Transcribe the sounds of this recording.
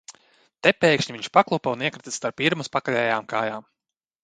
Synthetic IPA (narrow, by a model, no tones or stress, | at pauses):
t̪ɛpeːkʃɲiviɲʲʃpaklˠupauniɛkɾit̪ist̪aɾpiɾmuspakaʎʲɛjaːmkaːjaːm